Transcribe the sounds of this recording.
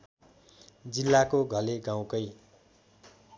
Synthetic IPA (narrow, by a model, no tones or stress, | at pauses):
d͡zilːakoɡʱʌleɡãw̃kʌj